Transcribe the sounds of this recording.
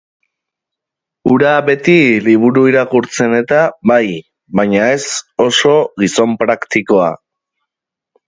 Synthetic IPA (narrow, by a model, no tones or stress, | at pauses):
uɾaβe̞t̪iliβ̞uɾuiɾakuɾt͡se̞ne̞t̪aβaj | βaɲae̞so̞so̞ɣiso̞mpɾakt̪iko̞a̰